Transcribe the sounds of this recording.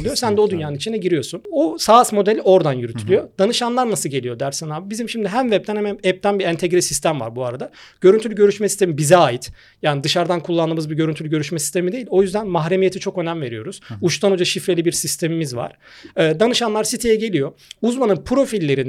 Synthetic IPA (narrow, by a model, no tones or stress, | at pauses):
ijosænd̪ɛod̪ynjaːnɯnit͡ʃʰinɛɟiɾijo̞sunosaːsmo̞d̪ɛlʲo̞ɾd̪anjyɾyt̪ʰylʲyjo̞d̪̥anɯʃanlˠaɾnasɯlɟe̞lʲijo̞d̪æɾsinabibizimʃimd̪iɦæmvɛpt̪ʰænmɛɛp̚t̪ʰænbiɛnt̪ʰɛɟɾisist̪ʰæmva̰ɾbuaɾad̪aɟ̥ø̞ɾynt̪ʰylʲɟø̞ɾyʃmɛsi̥st̪emibizɛaːjit̪ | jaːnid̪ɯʃaɾd̪ankʰulˠːanɯːmɯzbiɾɟøɾynt̪ʰylʲɟø̞ɾyʃmɛsi̥st̪ʰe̞mid̪eilʲo̞jyzd̪ænmaɦɾe̞mije̞t̪ʰit͡ʃʰo̞kø̞næmve̞ɾijo̞ɾuz̥uʃt̪ʰanod͡ʒaʃifɾe̞lʲibiɾsist̪ʰe̞mimizva̰ɾ̥ | ɯːd̪anɯʃanlˠaɾsit̪ʰejɛɟe̞lʲijo̞uzmanɯnpʰɾo̞filʲːe̞ɾin